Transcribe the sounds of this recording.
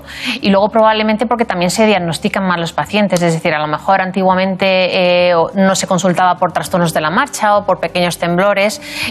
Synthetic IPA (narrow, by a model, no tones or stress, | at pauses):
ilwe̞ɣo̞pɾo̞βaβlement̪epo̞ɾke̞t̪amje̞nse̞ð̞jaɣno̞st̪ikanmazlo̞spaθjent̪e̞s̬eðe̞θiɾalo̞me̞xo̞ɾant̪iɣwamẽ̞nt̪e̞ | no̞se̞ko̞nsult̪aβapo̞ɾt̪ɾast̪o̞ɾnozðe̞lamaɾt͡ʃao̞po̞ɾpe̞ke̞ɲo̞st̪ẽ̞mblo̞ɾe̞s